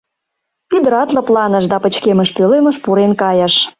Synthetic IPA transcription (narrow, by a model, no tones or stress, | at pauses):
yd̪əɾɑt̪lə̆plɑnə̆ʃd̪ɑpə̆t͡ɕkemə̆ʃpølemə̆ʃpuɾenkɑjə̆ʃ